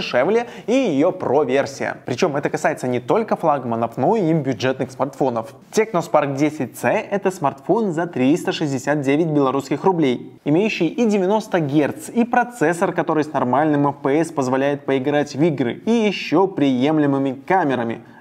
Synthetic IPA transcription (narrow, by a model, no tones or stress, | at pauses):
ɪʂɛvlʲɪəijɪjo̞pɾo̞vʲersʲɪjə̰pɾʲɪt͡ɕo̞mɛt̪əkɐsajɪt̪sənʲɪt̪o̞lʲkəflˠaɡmənəfno̞iimbʲjʊʐɛt̪nɨxsmɐrt̪fo̞nəf | tʲeknospark̚dʲesʲɪt̚ʲt̪sɛʔɛt̪əsmɐrt̪fo̞nzɐt̪ɾʲist̪əʂɨzʲdʲɪsʲat̪̚dʲevʲɪt̚ʲbʲɪlˠɐɾuskʲɪxrʊblʲejɪmʲejʉɕːɪjidʲɪvʲɪno̞st̪əɡʲert̪sipɾɐt̪sɛsːərkɐt̪o̞ɾɨjsnɐrmalʲnɨmɛfpəɛspəzvɐlʲæjɪt̪̚pəɪɡɾatʲvʲiɡɾɨ̰ijɪɕːo̞pɾʲɪjemlʲɪmɨmʲɪkamʲɪɾəmʲɪ̰